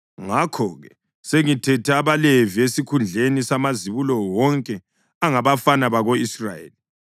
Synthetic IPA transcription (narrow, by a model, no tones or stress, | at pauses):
ŋakʰɔɣɛ | seŋitʰɛtʰɛaβaleviesikʰund͡ɮʱenisamaziβulɔwɔŋkʼɛ | aŋaβafanaβaɣoisra̰jḛli